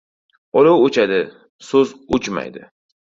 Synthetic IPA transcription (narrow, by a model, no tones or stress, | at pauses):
ɒlowot͡ʃʰad̪ɪ | sɵzot͡ʃma̰jd̪ɪ̰